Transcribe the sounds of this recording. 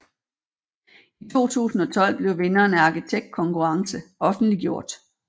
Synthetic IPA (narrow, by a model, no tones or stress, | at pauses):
it͡sʰo̝̰ːt͡sʰṵːsn̩ɒ̽t͡sʰɒ̽l̰b̥le̝ʊʋe̝nɐːnɑ̈kit͡sʰeɡ̥̚d̥̚kʰɒ̽ŋkʰuʁɑ̈ŋsəɒ̽fn̩dliɡ̥jo̝ɐ̰d̥